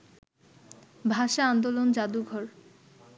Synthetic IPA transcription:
bʱaʃaand̪olond͡ʑad̪uɡʱɔɾ

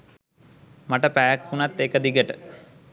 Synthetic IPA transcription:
maʈəpæːækhunat̪ːeːkəd̪iɡəʈə

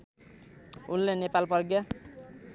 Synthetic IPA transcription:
ulːenepalpʌrɡjʌ

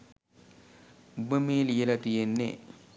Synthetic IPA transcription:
ubəmeːlijelat̪ijenːḛ

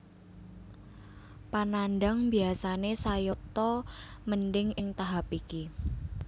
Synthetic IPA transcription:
pananɖaŋbiasanesajot̪ɔmənɖɪŋɪŋt̪aɦapiki

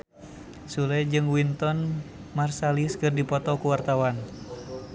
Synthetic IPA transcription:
sulɛd͡ʒɨŋwint̪ɔn | marsaliskɨrdipɔt̪ɔkuwart̪awan

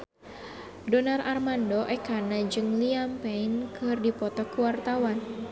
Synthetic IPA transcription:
dɔnarʔarmandɔʔɛkanad͡ʒɨŋliampɛinkɨrdipɔt̪ɔkuwart̪awan

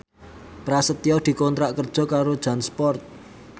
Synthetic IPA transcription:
pɾasət̪iɔd̪̥i̤kɔnt̪ɾaʔkərd̥ʒ̥ɔ̤kaɾod̥ʒ̥a̤nspɔrt̪̚

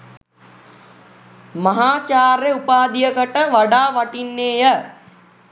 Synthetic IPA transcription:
maɦaːt͡ʃaːɾeupaːd̪ijəkəʈəʋaɖaːʋaʈinːeːjə

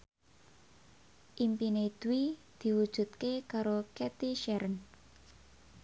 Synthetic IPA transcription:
ʔimpined̪̥uwid̪̥i̤wud̥ʒ̥ṳt̪̚kekaɾokɛt̪iʃɛɾən

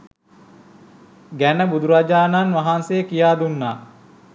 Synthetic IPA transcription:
ɡænəbud̪uɾad͡ʒaːnanʋaɦansejəkijaːd̪unːaː

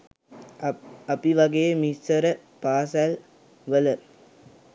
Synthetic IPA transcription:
ɐpiʋɐɡejːmisɐɾə | paːsæl | ʋələ

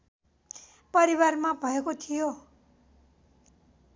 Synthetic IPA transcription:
pʌɾiwarmabʱʌekot̪ʰijo

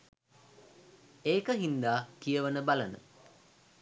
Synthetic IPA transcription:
eːkəɦind̪aːkijəʋənəbalanə̰

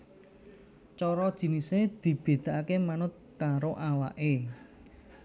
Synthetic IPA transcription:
t͡ʃɔɾɔd̥ʒ̥i̤nised̪̥i̤b̥e̤d̪̥a̤ʔakemanʊt̪̚kaɾoʔawa̰ʔe

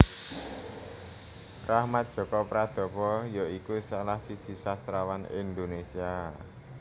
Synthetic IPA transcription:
rahmat̪̚dʒ̥ɔ̤kɔpɾad̪̥ɔ̤pɔjɔikusalahsid̥ʒ̥i̤sast̪ɾawanḭnd̪onesia

